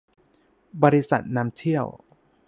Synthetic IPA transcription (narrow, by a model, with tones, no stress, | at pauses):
bɔː˧ɾi˦sa̰˨˩t̪̚naː˦˥mt̪ʰi˥˩əw